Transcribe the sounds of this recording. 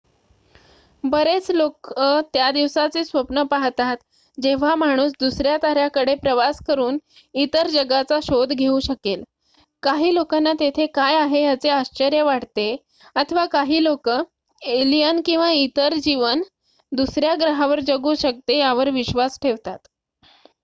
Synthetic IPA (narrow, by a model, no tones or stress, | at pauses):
bəɾet͡slokət̪jad̪iʋsat͡seːsʋəpnəpaɦt̪at̪ | d͡ʑeʋ̤am̤aɽ̃uːs̬d̪usɾjat̪aɾjakəɽepɾəʋaskəɾuːn | it̪əɾd͡ʑəɡat͡saɕod̪ʱɡʱeuɕəkel | kaɦiːlokanːat̪et̪ʰekajaɦejat͡seaɕt͡ɕəɾjəʋaɽt̪e | ət̪ʰəʋakaɦiːlokə | elijənkĩw̃ʋait̪əɾd͡ʑiʋən | d̪usɾjaɡɾəɦaʋəɾd͡ʑəɡuːɕək̚t̪ejaʋəɾʋiɕʋasʈʰeʋt̪at̪